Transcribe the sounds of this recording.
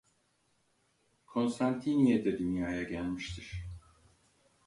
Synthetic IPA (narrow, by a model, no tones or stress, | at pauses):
kʰo̞nst̪ʰant̪ʰinied̪ɛd̪ynjaːjaɟælʲmiʃt̪ʰiɾ̥